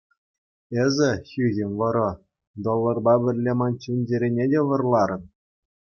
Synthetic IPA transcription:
ezʲɘ̆xʲyɣʲɘ̆nʲʋɤ̆ɾɤ̆ | d̪olˠːɤ̆rbɑbʲɘ̆rʲlʲemɑnt͡ɕinʲd͡ʑeɾʲenʲedʲeʋɤ̆rlˠɑɾɤ̆n

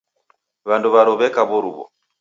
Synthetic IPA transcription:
βanduβaɾɔβɛkaβuɾuβɔ̰

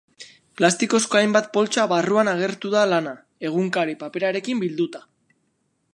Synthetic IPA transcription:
plast̪iko̞sko̞ajmbat̪̚po̞lt͡ʃaβaruanaɣ̞e̞ɾt̪uðalana | e̞ɣ̞uŋkaɾipape̞ɾaɾe̞kimbild̪ut̪ḁ

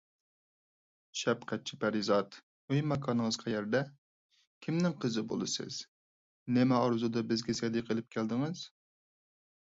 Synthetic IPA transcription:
ʃɛpqʰɛt̪̚t͡ʃʰipʰæɾizɑt̪ | øjmɛkʰɑnɨŋəzqʰɑjɛɾd̪ɛ | kʲʰimnɪŋqʰəzɨbo̰lˠɨsɨ̰z̥ | nɛmɛɑɾzud̪ɑbɪzɡʲɛsɛd̪iqʰəlˠɪp̚kʲʰæld̪ɨŋɨz̥

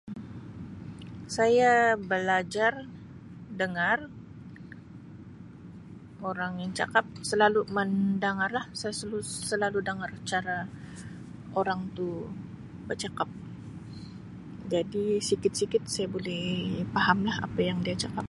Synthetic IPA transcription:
sajabəlad͡ʒar | dəŋar | oɾaŋaŋt͡ʃa̰kap̚səlalumandaŋarlahsajasəluːəlaludaŋart͡ʃaɾa | oɾaŋt̪u | bət͡ʃakap̚ | d͡ʒadisikɪt̪̚sikɪt̪̚sajabolɛhpaɦamlaha̰pajaŋdiat͡ʃakap̚

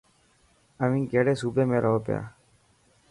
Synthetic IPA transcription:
əʋĩːŋkeːɽeːsuːbeːmẽːɾʔəɦoːpja̰ː

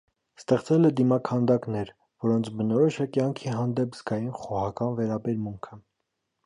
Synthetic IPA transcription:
st̪ɛχt͡sɛlɛd̪imɑkʰɑnd̪ɑknɛɾ | vɔɾɔnt͡sʰbənɔɾɔʃəkjɑŋkʰiɦɑnd̪ɛpz̥ɡɑjinχɔʁɑkɑnvɛɾɑbɛɾmuŋkʰə

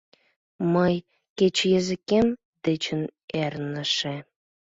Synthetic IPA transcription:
məj | ket͡ɕjəzɨ̆kem | d̪ĕt͡ɕə̆nernə̆ʃe

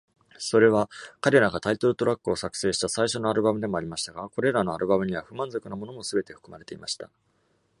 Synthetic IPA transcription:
so̞ɾe̞βakaɾe̞ɾaɡat̪ait̪o̞ɾɯ̟t̪o̞ɾakːɯ̟o̞sakɯ̥se̞ːɕi̥t̪asaiɕo̞no̞aɾɯ̟bamɯ̟d̪e̞mo̞aɾʲimaɕi̥t̪aɡako̞ɾe̞ɾano̞aɾɯ̟bamɯ̟ɲ̟iβaɸɯ̟mãnzo̞kɯ̟namo̞no̞mo̞sɨbe̞t̪e̞ɸɯ̥kɯ̟maɾe̞t̪e̞imaɕi̥t̪a̰

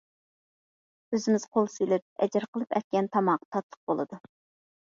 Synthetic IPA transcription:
øzɪmɪz̥qʰolˠsyjlɪp̚ɛ̰d͡ʒɪɾqʰəlˠɨpɛ̰t̪̚kʲɛnt̪ʰɑmɑʁ̥t̪ʰɑt̪lˠə̥q̚bolˠɨd̪u

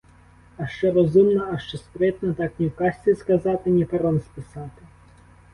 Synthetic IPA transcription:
ɐʃt͡ʃɛɾɔzumnɐɐʃt͡ʃɛspɾɪt̪nɐt̪ɑknʲiwkɑsʲt͡sʲiskɐzɑt̪ɪnʲipɐɾɔnspɪsɑt̪ɪ

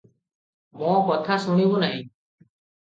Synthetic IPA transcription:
mɔ̃kɔt̪ʰasuɽ̃ibunaɦĩ

